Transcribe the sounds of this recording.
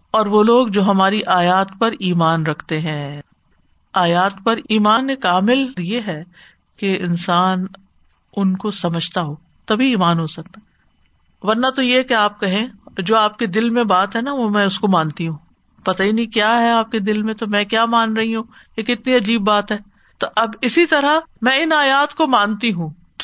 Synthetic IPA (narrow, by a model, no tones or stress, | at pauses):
ɔːɾʋoloːɡd͡ʒoːɦɐmaːɾiʔaːjaːt̪pɐɾiːmaːnɾɐkʰt̪eɦɛ̃ː | aːjaːt̪pɐɾiːmaːnekaːmɪlɾjeɦɛ | keɪnsaːn | ʊnkosɐməd͡ʒʱt̪aɦoː | t̪ɐbʱiiːmaːnɦosɐk̚t̪aɛ | ʋɐɾnat̪ojeɦkeaːp̚kɐɦẽd͡ʒoːaːp̚ked̪ɪlmẽbaːt̪ɦɛnaʋomɛ̃ːʊskomãːnt̪iɦũː | pɐt̪ainɐɦĩkjaːɦɛaːp̚ked̪ɪlmẽt̪omɛ̃ːkjaːmaːnɾɐɦiɦũ | eːkɪt̪niɐd͡ʒiːbːaːt̪ɦɛː | t̪oʔɐbɪsit̪ɐɾamɛ̃ɪnaːjaːt̪komãːnt̪iɦũː